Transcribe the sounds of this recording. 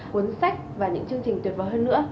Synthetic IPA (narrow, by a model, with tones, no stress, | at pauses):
ʔu˨˦nsa˦˥jk̟̚vaː˨˩ɲɨ̰˧˥ŋt͡ɕɨ˧əŋt͡ɕi˨˩ŋ̟t̪wi˨˩ət̚və̰ː˨˧˩wɦəː˧nːɨ̰˧˥ə